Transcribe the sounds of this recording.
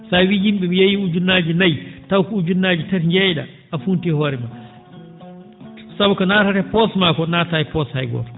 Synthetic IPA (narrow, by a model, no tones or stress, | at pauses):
sawijimɓɛmijejiud͡ʒunːaːd͡ʒinajtawkɔud͡ʒunːaːd͡ʒitatɲd͡ʒɛjɗa̰ | afuntihɔːɾɛma | sabukɔnataɾɛpɔsmakɔnatajipɔshajɡɔ̰ɾ